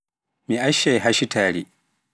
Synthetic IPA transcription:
miʔaʃːajɦaʃitʰaːɽi

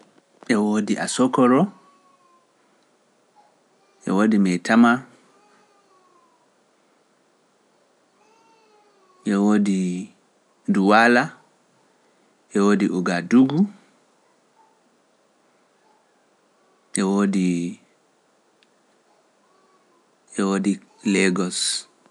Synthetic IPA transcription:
ʔɛwoːdiʔa̰sɔkɔɾɔ | ʔɛ̰woːdimɛjtʰama | ʔɛwoːdi | duwala | ʔɛwoːdiʔuɡaduɡu | ʔɛwoːdi | ʔɛwoːdi | lɛɡɔs

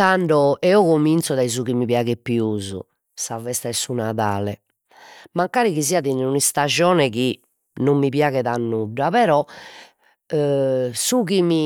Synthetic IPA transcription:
aɳɖɔɛɔɣomint̪sɔðaizuɣimiβjaːɣɛpːiuːzṵ | savɛst̪aɛsunaða̰ːlɛ̰ | maŋkaːɾiɣiziːaðinunist̪ad͡ʒɔːnɛɣi | nomːipjaːɣɛðanːuɖːapɛɾɔ | suɣimi

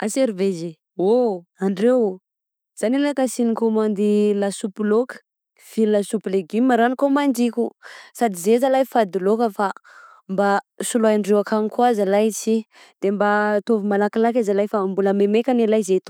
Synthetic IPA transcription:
aseɾiveze | oaɳɖ͡ʐew | z̥anilakasinikomand̪ilasupilokə̥ | v̥illasupileɡimːaɾanikomand͡ʒikʲusad̪izezalajfad̪ilokəfa | mba | sulajaɳɖ͡ʐewakʰanikwazəlajt͡ʃi | d̪̥embat̪ovimalakilakazalajfambuləmemekʲanilajzet̪o

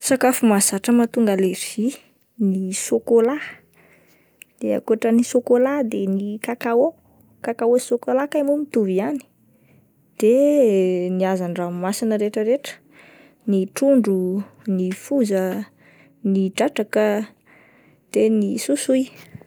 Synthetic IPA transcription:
sakafumazaʈ͡ʂəmat̪uŋɡəlev̥i | nisokola | d̪̥ea̰kuaʈ͡ʂənisokolad̪enikakao | kakaosokolakajmumit̪uviani̥ | d̪̥e | niazaɳɖ͡ʐamasinəɾeʈ͡ʂəɾeʈ͡ʂə̥ | niʈ͡ʂuɳɖ͡ʐunifuzə | niɖ͡ʐaʈ͡ʂakə | d̪̥enisusuj

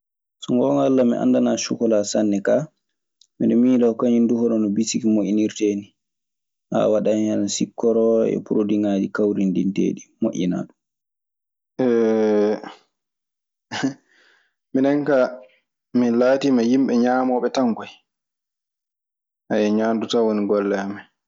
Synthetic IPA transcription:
sɔŋɡɔŋɡalːamḭʔa̰ndanaːʃukɔlasanːɛka | miɗɔmiːlakaɲinduhɔɾɔnɔbisikimoʔiniɾteːni | ha̰waɗahansikːɔɾɔɛ̰puɾodiŋad͡ʒikawɾindintḛːɗimoʔḭna̰ːɗum | ʔɛ | minɛŋka | milaːtimajimɓɛɲaːmɔːɓɛtaŋkɔj | ʔajɛɲaːndutawoniɡɔlːɛama

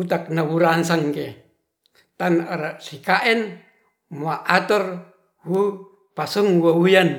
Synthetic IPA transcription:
ut̪ak̚naβuɾansaŋke | t̪anɾasikaʔɛn | maʔat̪ɔr | hu | pasuŋwawujan

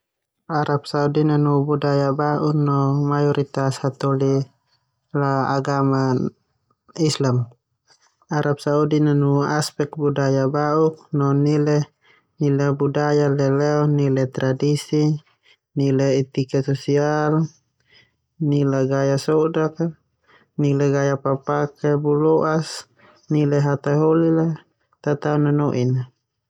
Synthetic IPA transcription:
aɾap̚saudinanubudajabaʔuknɔmajɔɾʔit̪ashat̪ɔli | laaɡama | islam | aɾʔap̚saudinanuaspɛk̪̚budajabauk̚nɔnilɛ | nilabudajalɛlɛɔnilɛt̪ɾadisi | nilɛit̪ikasɔsial | nilaɡajasɔdaka | nilaɡajapapakɛbulɔʔas | nilɛɦat̪aɦolila | t̪at̪aunanɔʔina

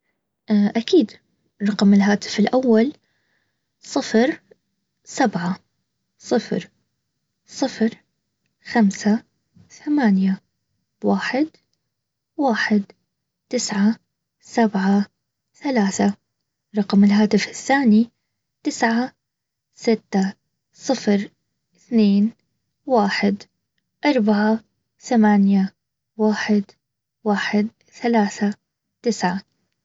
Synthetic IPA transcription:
ʔʔakiːd̪ | ɾˤɑqmɪlɦaːt̪ɪ̥fɪlʔawːal | sˤɨfɾ | sabʕa | sˤɨfɾ | sˤɨfɾ | xamsa | θamaːnja | waːħɪd̪ | waːħɪd̪ | t̪ɪsʕa | sabʕa | θalaːθa | ɾˤɑqmɪlɦaːt̪ɪfɪθːaːni | t̪ɪsʕa | sɪt̪ːa | sˤɨfɾ | ɪθneːn | waːħɪd̪ | ʔɑɾˤbaʕa | θamaːnja | waːħɪd̪ | waːħɪd̪̚ | θalaːθa | t̪ɪsʕa

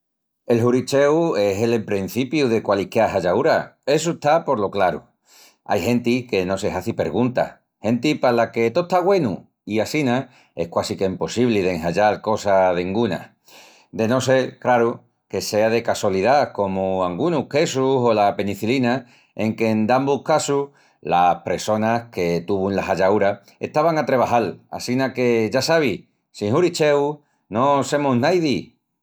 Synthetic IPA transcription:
e̞lɦuɾit͡ʃe̞we̞ɦe̞lempɾen̟θipjuðe̞kwalihkeaɦaʝauɾae̞s̬uet̪apo̞ɾlo̞klaɾṵ | a̰jɦe̞nt̪ike̞no̞sehaθipe̞ɾɣunt̪a̰ | he̞nt̪ipalake̞t̪ot̪aɣwe̞nṵ | iasina | e̞hkwasikeimpo̞siβ̞lið̞eŋhaʎalko̞saðeŋɡuna̰ | d̪e̞no̞s̬e̞lkɾaɾu | ke̞se̞að̞e̞kaswaliðako̞muaŋɡunuhke̞susolape̞nĩθilina | e̞ŋke̞ːnd̪ambukasu | lapɾe̞so̞nahke̞t̪uβunlaɦaʎauɾa | e̞̰ht̪aβaŋat̪ɾe̞β̞aɦala̰sinake̞ʝasaβ̞i | siŋhuɾit͡ʃe̞w | no̞se̞muɦnajð̞i

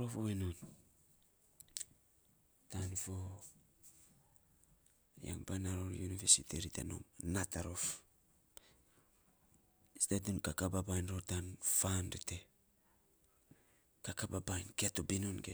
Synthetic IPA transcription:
ɾofoβenon | tanfo | ja̰ŋbajnaɾoɾjunivesitiɾiteno̰mnataɾo̞f | stadunkakababajnɾotanfanɾite | kakababajnkeatobinonke

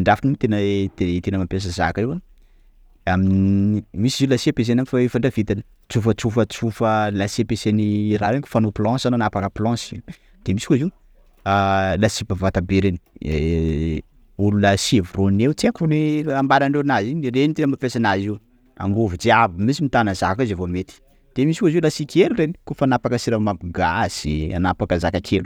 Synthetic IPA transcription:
ɳɖ͡ʐafanimit̪enəd̪et̪enəmapes̬əza̰kewa | aminmisizilasiepes̬enaŋkfaefaɳɖ͡ʐavit̪anə̥ | t͡sufət͡sufət͡sufəlasepeseniraɾekʲu̥fanoplɔ̃sananapakəplɔ̃si | d̪̥emisi̥kuziu | lasibavat̪abeɾeni | ululəsevuronewt͡siakoneambaɾaɳɖ͡ʐeɾinazinirenit̪enamafesanaziw | a̰ŋɡovud͡ʒiavimisimit̪anəzakazavomet̪i̥ | d̪̥emisikoziulasikʰeluɾeni̥kofanapakəsiɾamabuɡaz̥ia̰napakəzakakʰelu̥

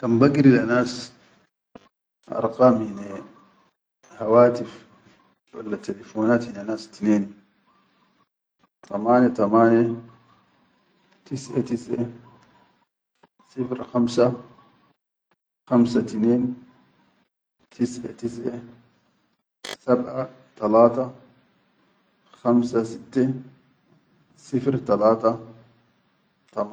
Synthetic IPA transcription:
kambaɡɾilanaːs | ʔɑ̰ɾˤqaːmhine | hawaːt̪if | wa̰lːat̪elefoːnaːt̪hinanaːst̪ineːni | t̪ʰamaːnet̪amaːne | t̪isʔet̪isʔe | sɪfɪɾxɐmsɐ | xɐmsɐt̪ɪneːn | t̪ʰɪsʔɛ̰t̪ɪs̬ʔɛ | sɐbʔɐ | t̪ɐlaːt̪ɐ | xɐmsɐsɪt̪ːɛ | sɪfɪɾt̪ɐlaːt̪ɐ | t̪ɐm

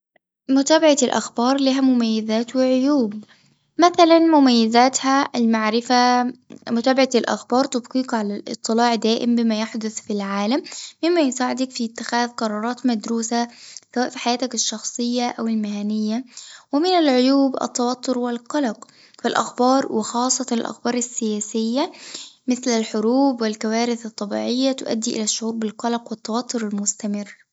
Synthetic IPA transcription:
mʊt̪æːbaʕalʔa̰xbɑːɾˤliɦæmʊmæjːɪzæːt̪wɪʕʊjuːb | mæθælanmʊmajːɪzæːt̪halmaʕɾɪfamʊt̪æːbaʕalʔa̰xbɑːɾˤt̪ɑbqiːqʕalælʔɨ̰t̪ˤːɨlɑːʕd̪æːʔɪmbɪmæjaħd̪ʊθfilʕaːlamːɪmːæjʊsaːʕɪd̪akfit̪ːɪxæːðqɑɾˤɑːɾˤɑːt̪mad̪ɾuːsasawæːʔfiːħajæːt̪ɪkɪʃːɑxsˤɨjːaʔæwɪlmɪhænɪjːawɪmɪnalʕojuːbæ̰t̪ˤːɑwɑt̪ʰˤːoɾwɪlqɑlɑq | fɪlʔɑ̰xbɑːɾˤwɪxɑːsˤːɑt̪ɑnɪ̰lʔɑ̰xbɑːɾˤɪsːɪjæːsɪjːamɪθlɪlħʊɾuːbwɪlkawæːɾɪθɑt̪ˤːɑbḭːʕɪjːat̪ʊʔæ̰d̪ːiːʔɪ̰læʃːʊʕuːɾbɪlqɑlɑqwɪt̪ːɑwɑt̪ˤːʊɾɪlmʊst̪æmɪrː

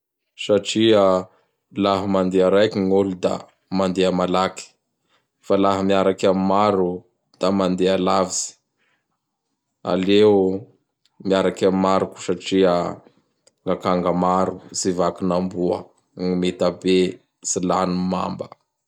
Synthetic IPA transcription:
saʈ͡ʂiə | laɦamand̪eaɾajkiŋolud̪a̰ | mand̪eamalaki̥ | falaɦamiaɾakamimaɾu | d̪̥amand̪ealaviz̥i̥ | a̰leu | miaɾakamimaɾuku̥saʈ͡ʂiə | ŋɡakaŋɡamaɾuzivakinambuə̰ | ŋimet̪abe | silanuma̰mbə

